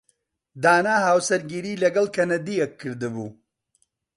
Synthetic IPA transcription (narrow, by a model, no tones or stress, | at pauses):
d̪aːnaːɦawsɐɾɡiɾilɐɡɐlkɐnɐd̪iɐkːəɾd̪əbu